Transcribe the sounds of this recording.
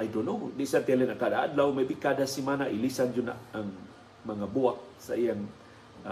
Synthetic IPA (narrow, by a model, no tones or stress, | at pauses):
ajdonodiʔsat̪ɛlɛnaŋkadaʔa̰d̪lawmabikadasimanaʔilisand͡ʒʊna̰aŋ | maŋabuaʔsaʔijaŋ